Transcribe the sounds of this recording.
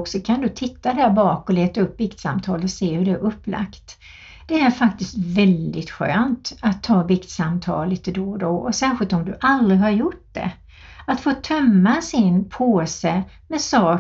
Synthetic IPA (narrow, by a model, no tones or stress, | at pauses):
ksɔkʰand̪ɵt̪ʰɪt̪ʰːad̪æːɾbɑːkɔleːt̪aɵpːbɪkt̪sa̰mt̪ʰɑːləseːhɵɖɛæɾʔɵpːla̰kt̪ | d̪̥ɛæɾfakt̪ɪst̪vɛld̪ɪt̪ɧø̰ːnt̪at̪ʰːɑːbɪkt̪samt̪ʰɑ̰ːlliːt̪əd̪od̪ɔɔsæːɧɪlt̪ɔmd̪ɵʔalɾɪɦaɾjʊʈ̚d̪ɛ̰ | at̪foːt̪ʰœmːasɪnpʰoːsə | mɛsɑː